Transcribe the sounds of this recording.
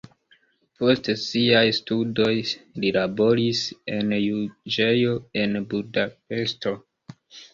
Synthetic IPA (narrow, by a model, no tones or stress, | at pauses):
po̞stsiajstudo̞jlilabo̞ɾise̞njud͡ʒe̞jo̞e̞nbudap̚e̞sto̞